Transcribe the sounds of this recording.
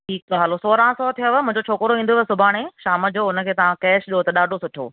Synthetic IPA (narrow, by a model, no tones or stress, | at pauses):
ʈʰiːkɦalosoːɾãsɔːt̪ʰijoʋmʊ̃ɦɪ̃ɲd͡ʑot͡ɕʰoːkɾoĩːn̆d̪oʋsʊbʱaːɽ̃eʃaːməd͡ʑoːʊnə̆kʰeːt̪ɐʋãkɛːʃɗiot̪ɐɗaːɖʱosʊʈʰo̰ː